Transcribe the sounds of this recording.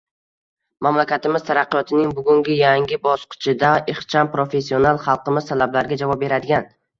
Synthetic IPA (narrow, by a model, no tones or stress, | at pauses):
mamlakʲat̪ɪmɪz̥t̪ʰaɾaqːɨjɒt̪ʰɪnɪŋbʊɡʲʊŋɡʲɪjaŋʲɪbɒsqʰɪ̥t͡ʃʰɪd̪aɪχt͡ʃʰampɾofe̞s̬ːionalˠχɑlˠqɨmɪz̥t̪ʰalablaɾɡʲad͡ʒavɒp̚be̞ɾad̪ɪɡʲan